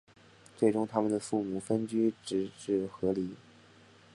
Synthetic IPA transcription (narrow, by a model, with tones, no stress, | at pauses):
t͡swe˥˩ɪʈ͡ʂʊ˥ŋt̪ʰa˥mə˨nd̪ə˩fu˥˩mu˨˩fə˥nt͡ɕy˥ʈ͡ʂɻ̩˧˥ʈ͡ʂɻ̩˥˩xɤ˧˥li˧˥